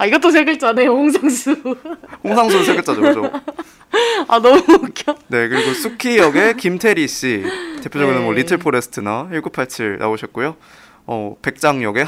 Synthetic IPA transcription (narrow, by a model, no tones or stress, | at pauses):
aiɡʌt͈os̬ʰeɡɯɭt͡ɕ͈anejohoŋs̬ʰaŋsʰuɸoŋsʰaŋsʰuɾsʰeɡɯɭt͡ɕ͈ad͡ʑod͡ʑo̰ | a̰nʌmukʰone̞kɯɾiɡosʰukʰijʌɡe̞kimtʰe̞ɾiɕ͈ite̞pʰjod͡ʑʌɡɯnɯnmwʌɾitʰɯɭpʰoɾes͈ʰɯ̥tʰɯnaiɭɡupʰaɭt͡ɕʰɯɭna̰oɕʰʌt̚k͈ujo | ʌ̰pe̞k̚t͡ɕ͈aŋjʌɡe̞